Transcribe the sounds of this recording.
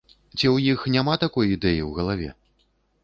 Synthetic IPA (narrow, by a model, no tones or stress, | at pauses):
t͡sʲiwjixnʲamat̪akɔjid̪ɛjiwɣɐlˠavʲɛ̰